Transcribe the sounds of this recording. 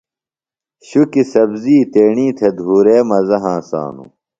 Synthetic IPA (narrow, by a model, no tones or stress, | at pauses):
ɕukisɐbziːt̪eːɳĩːt̪ʰed̪ʱuːɾeːmɐzɐɦãːsã̰ːnṵ